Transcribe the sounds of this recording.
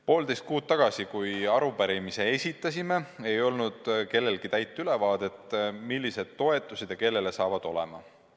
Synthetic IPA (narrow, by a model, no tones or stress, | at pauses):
po̞ːld̪e̞jst̪̚kuːt̪̚t̪ːɑɡ̥ɑsikujɑɾupæɾimise̞esʲit̪ːˑɑs̬ʲime̞ejo̞lnud̪̥ke̞lːe̞lɡ̥it̪æjt̪ːˑyle̞vɑːd̪̥e̞t̪ːmilːise̞d̪̥t̪ːo̞e̞t̪ːˑused̪̥jɑke̞lːe̞lesɑːvɑd̪̥o̞lḛmɑ